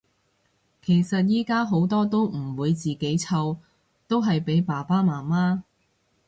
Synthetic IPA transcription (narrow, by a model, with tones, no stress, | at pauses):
kʰe˨˩jsɐ˨t̚jiː˥kaː˥ɦo˨˥wt̪ɔː˥t̪o˥wm̩˨˩wuː˨˧jt͡siː˨ke˨˥jt͡sʰɐ˧w | t̪o˥wɦɐ˨jpe˨˥jpaː˨˩paː˥maː˨˩maː˥